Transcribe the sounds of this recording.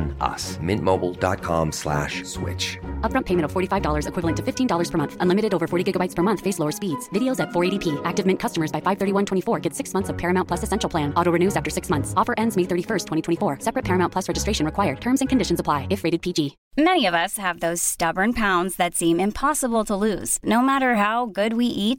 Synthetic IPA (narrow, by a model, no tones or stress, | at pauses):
nʌ̰smɪ̰̃nmoʊbl̩ˠdɑ̰t̚kʰɑ̰̃mslæ̰ʃswɪ̰t͡ʃʌp̚ɹʌ̃mpʰeɪmɨ̃ɾ̃ʌv̥fɔɹɾifaɪvdɔlˠə˞zɨkʰw̥ɪvl̩ˠɨ̃ntʰɨfɪftʰĩndɔlˠə˞z̥pʰə˞mʌ̃nθʔə̃nlɪ̃mɨɾɨɾoʊvə˞fɔɹɾiɡɪɡəbaɪtspʰə˞mʌ̃nθfeɪsloʊə˞spidz̥vɪɾioʊzɨtfɔɹeɪɾipʰiʔæk̚tɨvmɪ̃nkʰʌstəmə˞zbaɪfaɪv̥θɜ˞ɾiwʌ̃ntʰw̥ɛ̃ifɔɹɡɛd̥sɪksmʌ̃nθsʌv̥pʰɛɹɨmãʊnpʰl̥ʌsɨsɛ̃nʃl̩ˠpʰl̥æ̃nɔɾoʊɹɨnʉzæftə˞sɪksmʌ̃nθsɔfə˞ʔɛ̃ndzmeɪθɜ˞ɾifɜ˞stʰwɛ̃ɾ̃itʰw̃ifɔɹsɛpɹɨt̚pʰɛɹmãʊ̃npʰʌsɹɛd͡ʒɨstɹeɪʃn̩ɹɨkʰwaɪə˞d̚tʰɜ̃˞mzɨ̃nkʰɨ̃ndɪʃn̩zəpʰl̥aɪɨfɹeɪɾɨd̚pʰid͡ʒi | mɛñiʌvʌshɨvðoʊz̥stʌbə˞npʰãʊ̃ndzðɨtsĩmɪ̃mpʰɑsəbl̩ˠtʰəlʉz̥noʊmæɾə˞ɦaʊɡʊd̚wiʔit̚